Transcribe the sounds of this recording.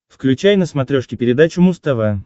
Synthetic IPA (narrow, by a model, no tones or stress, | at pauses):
fklʲʉt͡ɕajnəsmɐt̪ɾʲoʂkʲɪpʲɪɾʲɪd̪at͡ɕʊmʊst̪ɐva